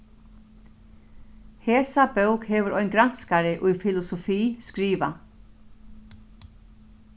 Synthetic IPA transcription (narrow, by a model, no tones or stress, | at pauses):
heːsabœʊkheːʋəɾɔʏŋɡɾanskaɾəʔʉːfɪlʊsɔfiːskɾiːʋa